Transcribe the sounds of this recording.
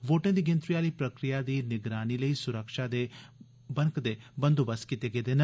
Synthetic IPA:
ʋoːʈẽːd̪iːɡɪ̃nt̪ɾiaːliːpɾəkɾɪjaːd̪iːnɪɡɾaːniːləiːsʊɾəkʃaːd̪eː | bə̃ŋkd̪eːbə̃nd̪oːbəskit̪eːɡeːd̪eːn

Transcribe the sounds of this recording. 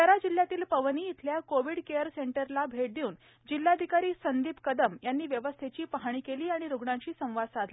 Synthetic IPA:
t̪əɾad͡ʑil̤jat̪iːlpəʋniːt̪ʰljakoʋiːɽkeəɾseɳʈəɾlabʱeʈ̚d̪iuːn | d͡ʑilːad̪ʱikaɾiːsənd̪iːpkəd̪əmjanːiːʋjəʋəst̪ʰet͡ɕiːpəɦaɽ̃iːkeliːaɽ̃iɾuɡɳaɲt͡ɕiːsə̃w̃ʋad̪sad̪ʱla

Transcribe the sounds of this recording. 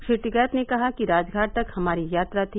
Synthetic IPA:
ʃɪʈiɡɛːt̪nekɐɦakiɾaːd͡ʒɡʱaːʈ̚ʈ̪ɐkhɐmaːɾijaːt̪ɾat̪ʰi

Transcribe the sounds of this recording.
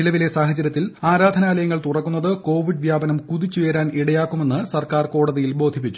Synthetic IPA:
ilɐʋilesaːɦɐt͡ɕːɐɾjɐt̪ːilaːɾaːd̪ʱɐnaːlɐjɐŋːɐɭt̪urɐkːunːɐðɨko̞ːʋiɖʋjaːbɐnɐmkuðit͡ɕːeːɾaːniɽɐjaːkːume̞nːɨsɐrkaːrko̞ːɽɐðijilbo̞ːd̪ʱip̬ːit͡ɕːu̥

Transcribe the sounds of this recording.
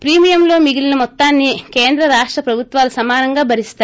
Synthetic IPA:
pɾiːmijɐmlo̞ːmiɡilinɐmɔt̪ːaːnːikeːnd̪ɾɐɾaːʂʈɾɐpɾɐbʱut̪ʋaːlusɐmaːnɐŋɡaːbʱɐɾist̪aː

